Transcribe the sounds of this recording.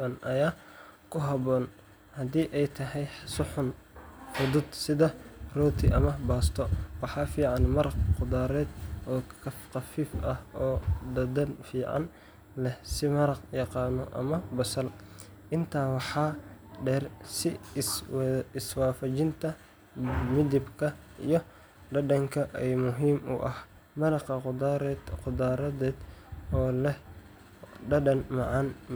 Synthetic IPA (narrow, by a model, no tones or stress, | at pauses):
ɐnʔɐjaːkʰʊɦɐβɔːn | hɐd̪iːʔɛjt̪ʰɐɦɛjsʊħʊn | fʊd̪ʊd̪sɪðɐrɔːt̪ʰɪʔɐmɐbaːst̪ʰɔwɑħɑːfiːʕɑnmɐɾɑqqʊd̪aːɾɛːd̪ʔɔːkʰɐfqɑfiːfɐhɔːd̪ɐd̪ɐnfiːʕɑ̰n | lɛhsɪmɐɾɑqjɑqɑːnɔʔɐ̰mɐbɐsɐl | ʔɪnt̪ʰaːwɑħɑːɖɛːrsɪ | ɪswaːfɐt͡ʃɪnt̪ʰɐ | mɪd̪ɪbkʰɐʔijɔ | ɖɐɖɐŋkʰɐʔɛjmʊɦiːmʊ̰ʔɐh | mɐɾɑqɐqʊd̪ɾd̪qʊd̪aːɾɐðɛːd̪ɔːlɛh | ɖɐɖɐnmɑʕɑn